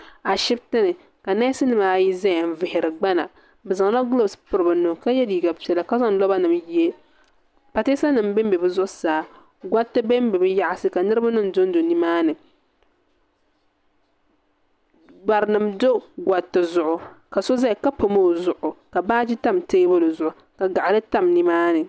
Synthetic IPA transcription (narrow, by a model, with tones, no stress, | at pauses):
a˨ʃɪ˦btɨ˦nɨ˨ | ka˨na˦sɨ˦nɨ˨maː˦ji˦za˦ja˨n˨vɪ˨hɪ˨ɾɨ˨ɡ͡ba˦na̰˨ | bɛ˨za˨ŋla˦ɡlo˦spɨ˦ɾɨ˨bɨ˨nʊ˨ka˦jɛ˦diː˨ɡa˨pi˨ɛ˨la˨ka˦za˦ŋ˦lɔ˦ba˦nɨ˨mji˦e˦ | pa˨te˦sa˦nɨ˨m˦bɛ˦m˦bɛ˨bɨ˦zʊ˦ʔʊ˦saː˨ | ɡʷa˦tːɨ˦be˦m˦bɛ˨bɨ˦ja˦ʔa˦sɨ˦ka˨nɨ˦ɾɨ˦ba˦nɨ˦m˨do˦n˦do˨ni˦maː˦nɨ˨ | ba˨ɾnɨ˨mdo˦ɡwa˨tːɨ˨zʊ˨ʔʊ˨ka˨so˦za˦˨ka˦po˨mo˦˨zʊ˨ʔʊ˨ka˨baː˦d͡ʒi˦ta˦˨mteː˦bo˦lɨ˨zʊ˨ʔʊ˨ | ka˨ɡa˨ʔa˨lɨ˦ta˦mni˦maː˦nɨ˨